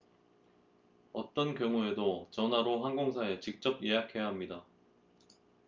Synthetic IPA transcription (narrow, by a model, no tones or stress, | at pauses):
ʌt͈ʌnkjʌŋue̞dot͡ɕʌnɦaɾoɦanɡoŋsʰae̞t͡ɕik̚t͡ɕ͈ʌp̚je̞ɦakʰe̞jaɦamɲida